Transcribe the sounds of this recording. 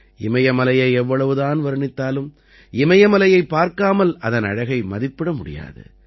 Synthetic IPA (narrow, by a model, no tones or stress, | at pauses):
ɪmɐjɐmɐlɐjɐɪɛʋːɐɭɐʋɯðaːnʋɐɾɯɳɪt̪ːaːlɯm | ɪmɐjɐmɐlɐjɐɪpːaːɾkaːmɐlʔɐðɐnɐ̰ɻɐɣɐɪmɐðɪpːɪɽɐmʊɽɪ̰ja̰ːðɯ̰